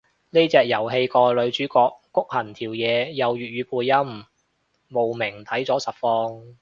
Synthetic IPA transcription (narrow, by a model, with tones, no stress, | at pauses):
ne˥t͡sɛː˨k̚jɐ˨˩wɦe˧jkɔː˧lɵ˨˧ɥt͡ʃyː˨˥kɔː˧kːʊ˥k̚hɐ˨˩nt̪ʰiː˨˩wjɛː˨˧jɐ˨wjyː˨t̚ɥyː˨˧puː˨˧jːɐ˥m | mo˨wmɪ˨˩ŋt̪ʰɐ˨˥jt͡sɔː˨˥sɐ˨t̚fɔː˧ŋ